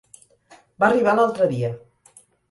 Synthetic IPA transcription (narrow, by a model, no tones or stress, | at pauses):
bariβ̞alalˠt̪ɾəðiə